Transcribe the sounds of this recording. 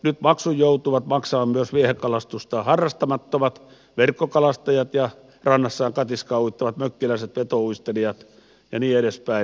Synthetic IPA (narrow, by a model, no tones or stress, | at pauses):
nyt̪mɑksujjout̪uʋɑt̪mɑksɑːmmyøsʋiehekːɑlɑst̪ust̪ɑːhɑrːɑst̪ɑmɑt̪ːomɑt̪ | ʋerkːokɑlɑst̪ɑjɑt̪jɑ | rɑnːɑsːɑːŋkɑt̪iskɑuit̪ːɑʋɑt̪møkːilæˑiset̪ʋet̪ouist̪eliɑt̪ | jɑniːeɾespæi